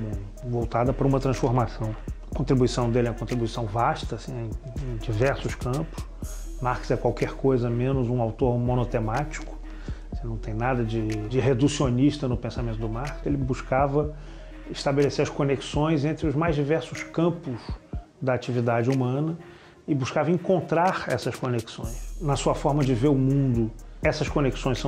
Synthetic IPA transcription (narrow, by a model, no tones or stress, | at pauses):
vowt̪ad̪ɐpaɾɐũmɐt̪ɾɐ̃sfoɾmasɐ̃w̃kõnt̪ɾibuisɐ̃w̃d̪elɛɐkõnt̪ɾibuisɐ̃w̃vaʃt̪ɐsĩẽẽj̃d͡ʒivɛɾsʊskɐ̃pʊ̥s | maɾksɛkwawkɛɾkojzɐmẽnʊzũawt̪oɾmõnot̪emat͡ʃi̥kʊ̥ | nɐ̃w̃t̪ẽj̃nad̪ɐd͡ʒɪd͡ʒɪɦed̪usioniʃt̪ɐnʊpẽsamẽt̪ʊd̪ʊmaɾkselɪbuʃkavɐ | ɪʃt̪abeleseɾɐʃkoneksõj̃zẽnt̪ɾɪʊzmajzd͡ʒivɛɾsʊskɐ̃pʊz | d̪ɐat͡ʃivid̪ad͡ʒɪumɐ̃nɐ | ɪbuʃkavɐĩkõnt̪ɾaɾɛsɐskoneksõ̰j̃snɐsuɐfɔɾmɐd͡ʒɪveɾʊmũnd̪ʊɛsɐskoneksõj̃sɐ̃